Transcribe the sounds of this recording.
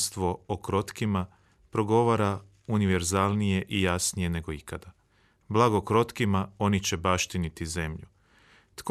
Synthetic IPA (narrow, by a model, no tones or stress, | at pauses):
st̪ʋo̞okɾo̞t̪kima | pɾo̞ɡo̞ʋaɾa | uniʋe̞ɾzaːlˠnije̞ʔijasnije̞ne̞ɡo̞ikʰad̪a | blˠaɡokɾo̞t̪kimao̞nit͡ɕe̞baʃt̪init̪ize̞mʎu | t̪k